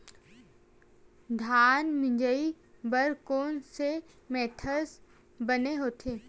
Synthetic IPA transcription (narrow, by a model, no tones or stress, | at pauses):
d̪ʱaːnmɪ̃ɲd͡ʒəi | bəɾkoːnse | mɛːt̪ʰəs | bəneɦoːt̪ʰeː